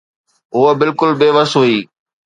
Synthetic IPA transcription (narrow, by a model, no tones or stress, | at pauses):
ʊəbɪlkʊlbeːʋəsɦuiː